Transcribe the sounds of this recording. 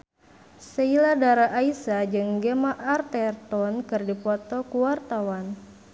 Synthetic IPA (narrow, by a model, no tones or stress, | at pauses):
səiladaɾaʔːisad͡ʒɨŋɡemaʔart̪ɛrt̪ɔnkɨrdipɔt̪ɔkuwart̪awan